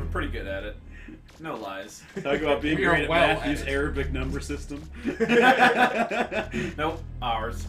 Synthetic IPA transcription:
pʰɹ̥ɪɾiɡʊɾɨɾɪt̚ | noʊlaɪz̥ | tʰɔkɪ̃ŋəbaʊt̚b̥iɪ̃ŋiɾɨɛfjʉzɛɹɨbɨk̚nʌ̃mbə˞sɪstə̃m | noʊ | ʔaə˞z̥

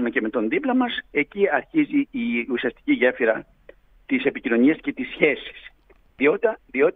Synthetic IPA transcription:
mece̞me̞t̪o̞nðiplɐmɐse̞ciɐɾçiziːusiɐst̪i̥ciʝefiɾɐ | t̪ise̞picino̞niɐsce̞t̪isçe̞si̥s | ðiot̪ðio̞t̪

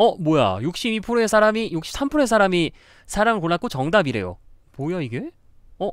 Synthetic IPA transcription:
ʌmoja̰juk̚ɕ͈ibipʰɯɾoe̞sʰaɾamijuk̚ɕ͈i̥p̚s͈ʰampʰɯɾoe̞s̬ʰaɾami | sʰaɾaŋɯɭkoɭːak͈ot͡ɕʌŋdabiɾe̞̰jo̰pojaiɡe̞ | ʌ

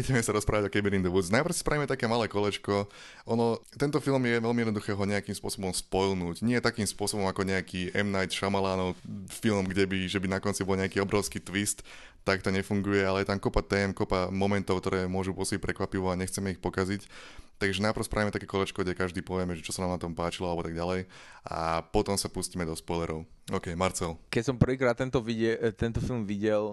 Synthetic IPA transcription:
iɟɛmɛsaɾɔspɾaːʋaɟɔkɛbɛɾind̪ɛʋut͡snapɾr̩ʊsi̥spɾaʋimɛt̪akɛːmalɛːkɔlɛt͡ʃkɔ | ɔnɔt̪ɛnt̪ɔfilmjɛʋɛlmiɛd̪nd̪uxɛːɦɔɲɛakiːmspʊɔsɔbɔmspɔjlnuːɟɲɪɛt̪akiːmspʊɔsɔbɔmakɔɲɛakiːʔɛmnajt̪ʃamalaːnɔʊfilmɡɟɛbiʒɛbinakɔnt͡sibɔlɲɛakiːɔbɾɔʊskiːt̪ʋist̪ː | akt̪ɔɲɛfuŋɡujɛalɛjɛt̪amkɔpat̪ɛːmkɔpamɔmɛnt̪ɔʊkt̪ɔɾɛːmʊɔʒupɔsɔbic̚pɾɛkʋapiʋɔaɲɛxt͡sɛmɛixpɔkazict̪aɡʒɛnapɾr̩ʊspɾʔaimɛt̪akɛːkɔlɛt͡ʃkɔɟɛkaʒd̪iːpɔʋjɛmɛʒɛt͡ʃɔ̥sanaːmnat̪ɔmpaːt͡ʃilɔalɛbɔt̪aɡɟalɛjʔa̰pɔt̪ɔmsapuscimɛd̪ɔspɔjlɛɾɔʊɔːkɛjmaɾt͡sɛlkɛcsɔmpr̩ʋiːkɾaːt̪ːɛnt̪ɔiɛt̪ɛnt̪ɔfilmʋiɟɛl

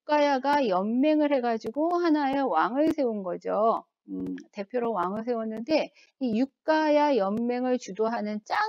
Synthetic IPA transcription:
k͈ajaɡajʌmme̞ŋɯɭhe̞ɡad͡ʑiɡohanajewaŋɯɭsʰe̞unɡʌd͡ʑo | ɯte̞pʰjoɾowaŋɯɭsʰe̞unːɯnde̞ | ijuk̚k͈ajajʌnme̞ŋɯɭt͡ɕudoɦanɯnt͡ɕ͈a

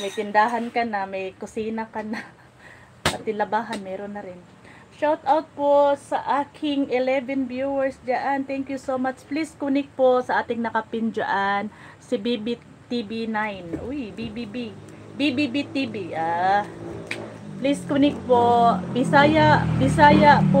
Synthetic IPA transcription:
mɐjt̪ɪnd̪aːɦɐnkɐnɐmɐjkʊsiːnɐkɐna | ʔɐt̪ːɪlɐbaːɦɐnmɛːɾonːɐɾɪn | ʃawt̪ʔawt̪̚posɐʔaːkʰɪŋʔɪlɛvɛnbjuwɛɹsd͡ʒaʔant̪ɛŋkjʊsoːmat͡ʃpliskunɪk̚posɐʔaːt̪ɪŋnɐkɐpɪnd͡ʒa̰ʔan | sɪbibi | t̪ibinajnʔujbibibibibibit̪ibiʔaː | pliskunɪk̚pobɪsaːjaʔbɪsaːjɐʔpo

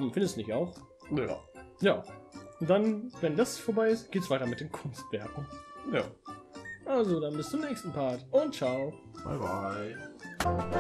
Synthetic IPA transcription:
mfɪndəstdnɪçaʊx | na̰jaːd̥anvɛndasfoɐbaɪɪstɡ̥eːtəsv̥aɪtɐmɪt̚d̥eːmkʰʊnstv̥ɛɐkŋ̩ja̰ː | ʔalzodanbɪstt͡sʊmnɛːçstn̩pʰaɐtʔʊnt̚t͡ʃaʊ | b̥a̰ɪba̰ɪ

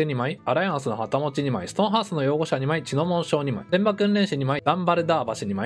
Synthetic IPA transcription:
eɲ̟imaiaɾajãɰ̃sɨno̞hat̪amo̞t͡ɕiɲ̟imaisɨ̥t̪õ̞ɰ̃ɦaːsɨno̞jo̞ːɡo̞ɕaɲ̟imait͡ɕino̞mõ̞ɰ̃ɕo̞ːɲ̟ima̰dẽ̞mbakɯ̟̃nɾẽ̞ɰ̃ɕiɲ̟imaid̪ãmbaɾɯ̟d̪aːbaɕiɲ̟ima

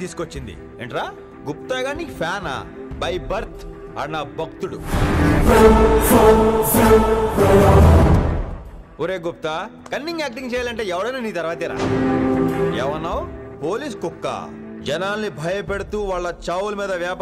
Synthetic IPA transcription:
t̪iːsu̥kot͡ʃːind̪ḭ | eːɳʈɾaː | ɡup̚t̪aːɡaːnipʰjaːna̰bɐjbɐɾt̪ʰ | ɐnːabʱɐk̚t̪uɽṵ | oːɾeːɡup̚t̪aː | kɐnːiŋɡaːk̚ʈiŋɡt͡ʃɛːjaːlɐɳʈ̬e̞ːɛʋɐɽɐjnaniːt̪ɐɾʋaːt̪iːɾa̰ː | eːʋɐnːaːwopo̞ːliːs̬kukːa̰ː | d͡ʒɐnaːlnibʱɐjɐpeɽut̪uːʋaːɭːɐt͡ʃaːwulɐmiːd̪ɐʋjaːp

